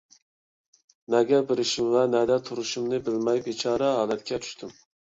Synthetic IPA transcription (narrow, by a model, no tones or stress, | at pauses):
nɛɡʲɛbɪɾɪʃimvɛnɛd̪ɛt̪ʰuɾuʃumnɨbɪlmɛjpit͡ʃʰɑːɾɛɦɑːlɛt̪kʲɛt͡ʃ̪ʰy̥ʃt̪ʰym